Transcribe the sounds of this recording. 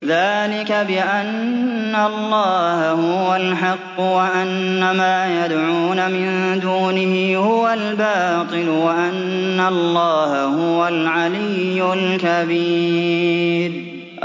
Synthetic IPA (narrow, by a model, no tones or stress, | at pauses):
ðaːlɪkabɪʔanː | alːɑːhahʊwalħɑqːʊwaʔanːamaːjad̪ʕuːnamɪn | d̪uːnɪhɪhʊwalbaː | t̪ˤɨlwaʔanːalˤːɑːhahʊwalʕalɪjːʊlkabiː | ɾ